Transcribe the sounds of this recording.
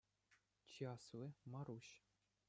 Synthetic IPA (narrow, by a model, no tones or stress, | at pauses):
t͡ɕiɑslʲɘ̆mɑɾuɕ